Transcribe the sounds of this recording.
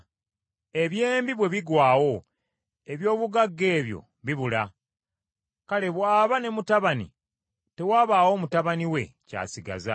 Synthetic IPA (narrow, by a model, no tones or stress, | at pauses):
e̞βje̞ːmbiβwe̞βiɡwaːwo̞ | e̞βjo̞ːβuɡaɡːe̞ːβjo̞̰ | βiβula | kale̞βwaːβane̞mutaβanḭ | te̞waːβawo̞ːmutaβaniwe̞̰ca̰ːsiɡa̰za̰